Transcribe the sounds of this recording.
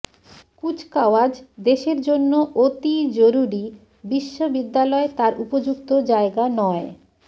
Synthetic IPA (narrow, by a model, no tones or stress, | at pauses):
kut͡ɕʰkaowad͡ʑd̪eʃeɾd͡ʑonːoʔot̪id͡ʑoɾuɾi | biʃːobid̪ːalɔet̪aɾupod͡ʑukt̪od͡ʑaeɡanɔe